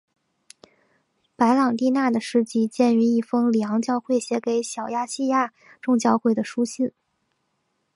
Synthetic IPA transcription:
pa˧˥ɪlɑ˨˩ŋt̪i˥˧na˥˩d̪ə˩ʂɻ̩˥˧t͡ɕi˥˧t͡ɕjɛ˥˩ny˧˥i˥˩fɤ˥ŋli˨˩ɑ˧˥ŋt͡ɕjɑ˥˧ʊxwe˥˩ɪɕjɛ˧˥ke˨˧˥ɪɕjɑ˨˩ʊja˥˧ɕi˥˧ja˥˩ | ʈ͡ʂʊ˥˧ŋt͡ɕjɑ˥˧ʊxwe˥˩ɪd̪ə˩ʂu˥ɕi˥˩n

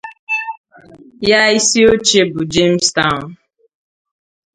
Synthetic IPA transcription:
ja˦i˦si˦o˦t͡ʃe˦bʊ˨d͡ʒe˦m̩˦sta˦ʊ˨n

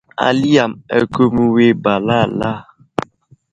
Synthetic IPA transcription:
a̰˨li˦a˨mɛ̰˨ko˦mu˦we˦ba˨la˦˨la˦˨

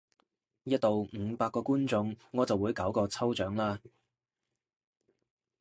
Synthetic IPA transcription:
jɐ˥t̚t̪o˨wŋ̩˨˧paː˧kːɔː˧kuː˥nt͡sʊ˧ŋːɔː˨˧t͡sɐ˨wːuː˨˧jkɐ˨˥wkɔː˧t͡sʰɐ˥wt͡ʃœː˨˥ŋlaː˥

